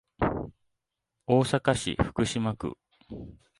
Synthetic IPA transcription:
o̞ːsakaɕḭɸɯ̟̥kɯ̟ɕimakɯ̰

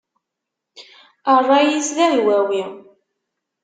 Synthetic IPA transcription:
ərˤːɑjislæðwæwi

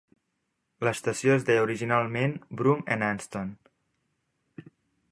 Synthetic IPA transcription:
ləst̪əsjoezðeuɾiʒinalˠmenbɾunenanst̪on

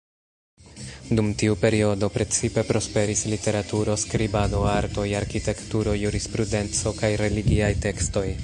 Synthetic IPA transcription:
dumtiupe̞ɾio̞do̞pɾe̞t͡sipe̞pɾo̞spe̞ɾislite̞ɾatuɾo̞skɾibado̞aɾto̞jaɾkite̞ktuɾo̞juɾispɾude̞nt͡so̞kajɾe̞liɡiajte̞ksto̞j

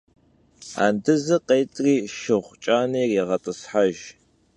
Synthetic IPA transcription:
a̰ːndɨzɨqeːtʼriːʃɨʁʷt͡ʃʼaːniːriːʁɐtʼəsħaʒ

